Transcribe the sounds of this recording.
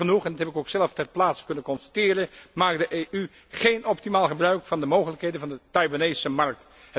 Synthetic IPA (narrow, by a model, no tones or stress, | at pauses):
ənuχɛndɑthɛpɪkowksɛlˠəftɛrplaːtsə̥kɵnəkɔnstḁtɪːɾəmaːk̚dəʔejʔy | χejnɔp̚timaːlˠχəbrœɥkfɑndəmowχələkɦejdənvɑndətɑjvanejsəmɑrk̚t